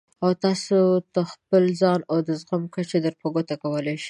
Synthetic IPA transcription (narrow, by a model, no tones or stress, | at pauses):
awt̪ɑsot̪əxpəlzɑnawd̪əzɣamkat͡ʃed̪əɾpoɡot̪akawəlajʃi̥